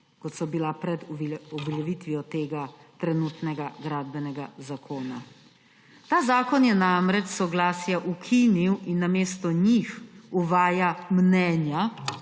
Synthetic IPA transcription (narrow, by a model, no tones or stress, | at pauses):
kɔt̪sɔbilapɾɛd̪ɔblɛʋit̪ʋijɔt̪eːɡat̪ɾɛnut̪nɛɡaɡɾaːd̪bɛnɛɡazakʰoːna̰ | t̪aːzaːkɔnjɛnamɾɛt͡ʃsɔɡlaːsjaʔukʰiniwinːameːst̪ɔɲixuʋaːjamnɛːnja